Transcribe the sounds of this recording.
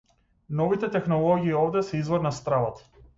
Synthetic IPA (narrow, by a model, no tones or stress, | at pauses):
nɔvit̪ɛt̪ɛxnɔlˠɔɡiːɔvd̪ɛsɛizvɔɾnast̪ɾavat̪